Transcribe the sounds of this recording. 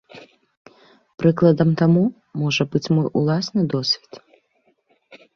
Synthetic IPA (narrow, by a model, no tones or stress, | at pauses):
pɾɨklˠɐd̪ɐmt̪amu | mɔʐɐbɨt͡sʲmɔjʔulˠasnɨd̪ɔsʲvʲit̪